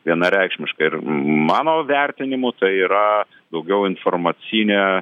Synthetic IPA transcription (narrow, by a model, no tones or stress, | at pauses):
ʋʲiɛnɐɾʲæɪkʃʲmʲɪʃkɐɪɾmɑːnoːʋʲɛrʲt̪ʲɪnʲɪmʊt̪ɐɪiːɾɐ | d̪ɐʊɡʲɛʊɪnformɐt͡s̪ʲinʲeː